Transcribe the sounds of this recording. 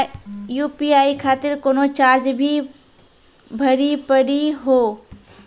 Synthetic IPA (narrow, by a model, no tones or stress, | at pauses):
juːpiaːikʰaːt̪ɪɾkoːnot͡ʃaːɾd͡ʒbʱi | bʱəɽipəɽiɦoː